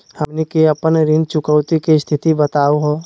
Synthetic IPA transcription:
həmnekeɐpənɾɪnt͡ʃʊkəwt̪ikist̪ʰɪt̪ibət̪aːoɦoː

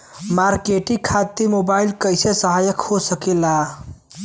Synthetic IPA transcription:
maɾkeʈikʰat̪ːimobailkəjsesəɦajəkhosəkela

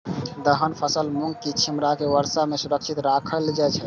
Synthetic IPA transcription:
d̪əɦənpʰəsəlmuŋɡkit͡ʃʰimɾakeʋəɾsamesuɾəkt͡ʃʰit̪ɾakʰəld͡ʒajt͡ʃʰɛ

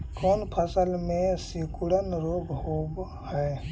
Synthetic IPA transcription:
koːnpʰəsəlmẽsikuɽənɾoːɡhob | hɛː

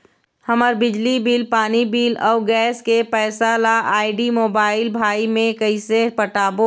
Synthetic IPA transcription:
həməɾbɪd͡ʒlibiːlpaːnibiːlɔːɡɛːskepɛːsalaʔaːɪɖimoːbaːɪlbʱaːimẽkəɪsepəʈaːbo

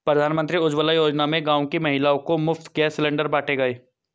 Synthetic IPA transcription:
pɾɐd̪ʱaːnmə̃nt̪ɾiʊd͡ʒʋəlajoːd͡ʒnamẽɡãːõkimɐɦɪlaːõkomʊft̪ʰɡɛːsɪlẽːɳɖəɾbaːʈʰeɡɐeː

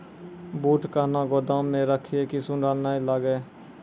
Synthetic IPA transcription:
buːʈkaːnaːɡoːd̪ãːmːẽɾəkʰiekisʊnɖaːlnaːilaɡeː

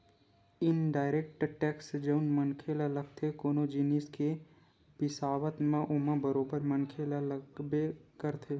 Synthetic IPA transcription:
ɪnɖaːɪɾeːk̚ʈʈɛːksd͡ʒɐʊnmənkʰeːlaləɡ̚t̪ʰekoːnod͡ʒɪniːske | pɪsaːʋət̪mẽʔʊmãbəɾoːbəɾmənkʰelaləɡbekəɾt̪ʰe

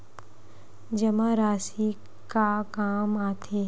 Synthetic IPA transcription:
d͡ʒɐmaɾaːsi | kakaːmaːt̪ʰeː

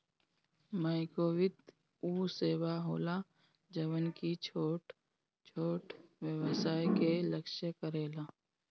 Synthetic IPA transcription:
məɪkoːwɪt̪ | uːseːwaɦoːla | d͡ʒəʋənkit͡ʃʰoːʈ | t͡ʃʰoːʈʋjəwəsaːjkeləkʃəkəɾeːlaː

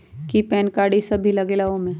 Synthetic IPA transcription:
kipɛːnkaːɽisɐbʱilɐɡeːlaõmẽ

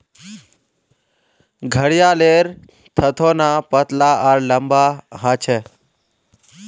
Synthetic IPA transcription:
ɡʱəɽjaleɾ | t̪ʰət̪ʰonapət̪laʔaɾləmbaɦãt͡ʃʰe

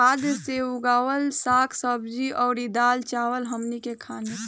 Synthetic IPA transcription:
aːd̪seuɡaːwəlsaːkʰsəbd͡ʒiʔɔːɾid̪aːlt͡ʃaːwəlɦəmnikekʰaːne

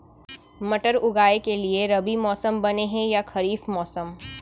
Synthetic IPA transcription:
mɐʈəɾʊɡaːekelieɾɐbimɔːsəmbɐneɦɛ̃jaxʰɐɾiːfmɔːsəm

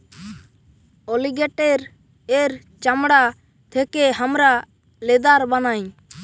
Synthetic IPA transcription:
oliɡɛʈɛɾ | eɾ | t͡ʃamɽa | t̪ʰɛkɛɦamɾa | lɛd̪aɾbanaɲ

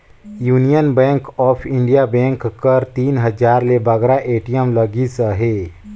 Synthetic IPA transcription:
juːnijənbɛ̃ːŋkɔːpʰɪ̃ɳɖijabɛ̃ːŋkkəɾt̪iːnɦəd͡ʒaːɾlebəɡɾaʔeːʈijəmləɡisəɦeː

